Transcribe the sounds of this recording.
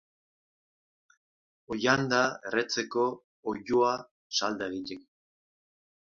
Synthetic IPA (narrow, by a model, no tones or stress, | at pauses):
ojand̪aere̞t͡se̞ko̞ː | jua | sald̪aeɣitek